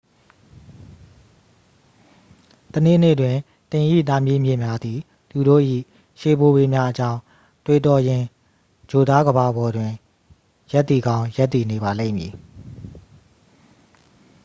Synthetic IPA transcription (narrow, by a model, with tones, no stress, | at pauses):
tənḛ˦˨n̥ḛ˦˨dwɪ̃˨ | tɪ̃˨ʔḭ˦˨t̪a˦mji˦˨mjɪ̰̃˦˨mja˦d̪ði˨ | t̪u˨ɾo̰˦˨ʔḭ˦˨ | ʃe˨bo˨be˨mja˦ʔət͡ɕã˦ʊ̃ | twe˨tɔ˨jɪ̃˨ | d͡ʑo˨d̪a˦ɡəba˨bɔ˨dwɪ̃˨ | ja˦t̪ːi˨ɡã˦ʊ̃ja˦t̪̬ːi˨ne˨βa˨lḛ˦˨mji˨